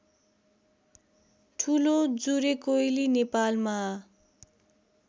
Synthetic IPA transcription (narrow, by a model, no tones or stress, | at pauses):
ʈʰulod͡zuɾekojlinepalma